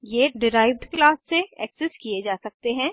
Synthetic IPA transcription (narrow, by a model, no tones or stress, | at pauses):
jeːɖɪɾaːɪʋɖklaːsːeɛ̰ːksɛskijed͡ʒaːsɐk̚t̪eɦɛ̃ː